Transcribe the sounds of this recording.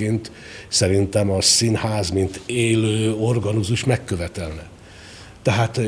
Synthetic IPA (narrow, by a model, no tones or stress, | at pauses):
ent̪ | sɛɾint̪ɛmɒsinhaːzmint̪eːløːorɡɒnuzuʃmɛkːøvɛt̪ɛlnɛ | t̪ɛɦaːt̪